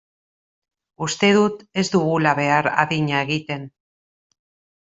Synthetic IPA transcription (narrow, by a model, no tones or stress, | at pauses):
ust̪e̞ðut̪e̞zd̪uɣulaβe̞aɾa̰ðiɲae̞ɣit̪e̞n